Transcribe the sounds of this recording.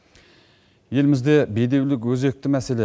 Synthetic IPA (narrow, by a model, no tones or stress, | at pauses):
je̞lmɪzd̪e̞bejd̪e̞wlɪkwɵze̞k̚t̪ɪmæse̞le